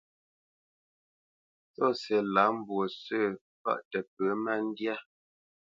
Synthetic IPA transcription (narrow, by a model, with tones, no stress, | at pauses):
t͡sɔ˦˨sɛ˨la˨˦m̩˦bwo˨sə˦˨ | pa̰˦ʔtə˨p̚ə˨˦ma˦n̩˦dja˦